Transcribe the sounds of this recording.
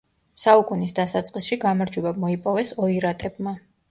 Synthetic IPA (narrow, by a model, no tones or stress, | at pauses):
saukʼunisd̪asat̪sʼqʼisʃiɡamaɾd͡ʒwɛbamɔipʼɔvɛsɔiɾat̪ʼɛbma